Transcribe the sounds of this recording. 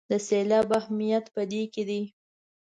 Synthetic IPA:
d̪əselɑbahmijat̪pəd̪eked̪i

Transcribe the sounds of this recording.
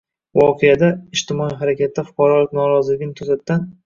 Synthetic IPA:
vɒqʰejad̪aɪʃt̪ɪmɒiɦaɾakʲʰat̪̚ːd̪afʊ̥qʰɑɾɒlɪkʲnɒɾɒzlɪɡʲɪnɪt̪ʰʊzat̪ːd̪an

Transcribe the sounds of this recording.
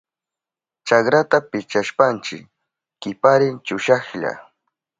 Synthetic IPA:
t͡ʃakɾat̪apɪt͡ʃaʃpant͡ʃɪkː | ɪpaɾɪnt͡ʃʊʃɑχʎa̰

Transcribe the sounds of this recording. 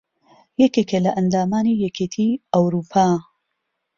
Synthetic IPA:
jɛkekelɐʔɐnd̪aːmaːnijɛkʰet̪ʰiɐwɾuːpʰaː

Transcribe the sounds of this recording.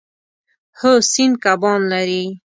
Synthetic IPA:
həsinkabɑnlaɾi

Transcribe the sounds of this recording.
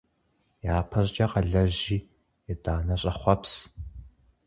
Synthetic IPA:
jaːpʰɐɕd͡ʒʼɐqɐɮɐʑiː | jɛdaːnɐɕʼɐχʷɔps

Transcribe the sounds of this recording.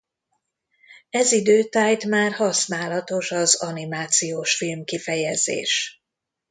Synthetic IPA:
ɛzid̪øːt̪aːjt̪maːrhɒsnaːlɒt̪o̞ʃɒzɒnimaːt̪sijoːʃfilmkifɛjɛzḛːʃ

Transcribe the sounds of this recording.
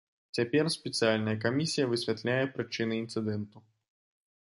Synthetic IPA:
t͡sʲapʲɛrspʲɪt̪sɨalʲnɐjɐkamʲisʲijɐvɨsʲvʲat̪lʲajɛpɾɨt͡ʂɨnɨint̪sɨd̪ɛnt̪u

